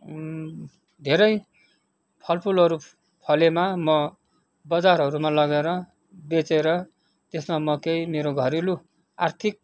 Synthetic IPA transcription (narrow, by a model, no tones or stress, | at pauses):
d̪ʱeɾʌj | pʰʌlpʰulʌɾu | pʰʌlemamʌ | bʌd͡zaɾɦʌɾumalʌɡeɾʌ | bet͡seɾʌ | t̪esmamʌkejmeɾoɡʱʌɾilu | a̰rt̪ʰik̚